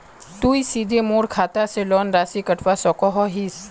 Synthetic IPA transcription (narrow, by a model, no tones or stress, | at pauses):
t̪uisid̪ʱemoːɽkʰat̪aselɔnɾasikəʈʰʋasɔkɔɦɔɦis